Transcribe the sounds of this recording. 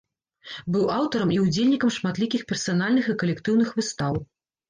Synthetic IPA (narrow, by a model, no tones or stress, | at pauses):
bɨwawt̪ɐɾɐmʔiud͡zʲelʲnʲikɐmʂmat̪lʲikʲixpʲɛrsanalʲnɨxikɐlʲɛkt̪ɨwnɨxvɨst̪aw